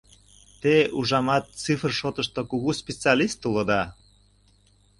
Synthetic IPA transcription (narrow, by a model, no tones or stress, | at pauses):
t̪euʒɑmɑt̪ːt͡sifrʃot̪əʃt̪okuɣuspʲet͡sɑlist̪ulod̪ɑ